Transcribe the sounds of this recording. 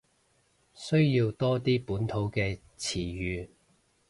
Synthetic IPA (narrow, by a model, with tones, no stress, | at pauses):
sɵ˥ɥjiː˧wt̪ɔː˥t̪iː˥puː˨˥nt̪ʰo˨˥wkɛː˧ | t͡sʰiː˨˩jyː˨˧